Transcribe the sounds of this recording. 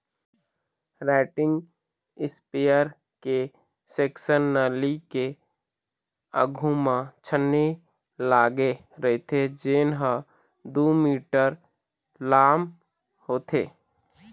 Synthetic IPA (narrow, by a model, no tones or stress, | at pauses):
ɾaːʈɪ̃ŋɡ | ɪspejəɾ | ke | seːksənːəlike | ə̰ɡʱumãt͡ʃʰənːe | laːɡe | ɾəɦet̪ʰed͡ʒeːnɦə | d̪oːmiːʈəɾ | laːm | hoːt̪ʰeː